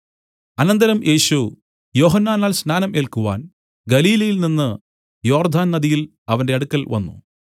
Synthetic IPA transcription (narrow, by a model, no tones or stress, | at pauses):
ɐnɐnd̪ɐɾɐmʔe̞ːɕu | jo̞ːɦɐnːaːnaːlsnaːnɐmʔe̞ːlkuʋa̰ːn | ɡɐliːlɐjilninːɨ | jo̞ːrd̪ʱaːnnɐd̪ijil | ɐʋɐnde̞ɐɽukːɐlʋɐ̰nːṵ